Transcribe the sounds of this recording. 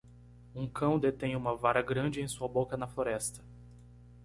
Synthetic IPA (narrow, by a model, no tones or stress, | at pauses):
ũkɐ̃w̃d̪et̪ẽj̃ũmɐvaɾɐɡɾɐ̃d͡ʒɪẽj̃suɐbokɐnɐfloɾɛst̪ɐ̥